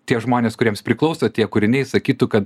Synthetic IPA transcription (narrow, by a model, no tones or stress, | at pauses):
t̪ʲiɛʒmoːnʲeːskʊɾʲiɛmspʲɾʲɪklˠɐʊsɐt̪ʲiɛkʊɾʲɪnʲɛɪsɐkʲiːt̪uːkɐt̪